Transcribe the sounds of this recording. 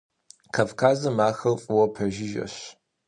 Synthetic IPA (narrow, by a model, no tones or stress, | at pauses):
kʰafkʰaːzɐmaːxɐlfʼɨwɐpʰɐʒɪʒɐ̰ɕ